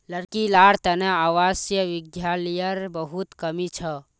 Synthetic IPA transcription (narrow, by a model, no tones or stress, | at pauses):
ləɾkilaɽt̪əneaʋasjəʋiɡjalijəɾbəɦut̪kəmit͡ʃʰə